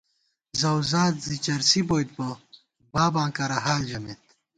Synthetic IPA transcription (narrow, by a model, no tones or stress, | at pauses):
zɐwzãːt̪zit͡ɕɐɾsiboːjt̪̚bɐ | baːbãːkɐɾɐɦaːld͡ʑɐmet̪̚